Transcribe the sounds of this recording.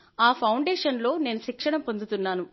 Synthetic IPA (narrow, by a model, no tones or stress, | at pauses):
aːpʰɐwɳɖeːʂɐnlo̞ːne̞ːnuʃikʂɐɳɐmpo̞nd̪ut̪unːaːnu